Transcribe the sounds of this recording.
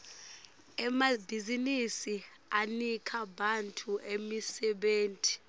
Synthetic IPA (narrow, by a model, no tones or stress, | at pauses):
ɛmabʱizinisi | anikʰaɓantʰʼuʔemisɛɓeːntʼi̥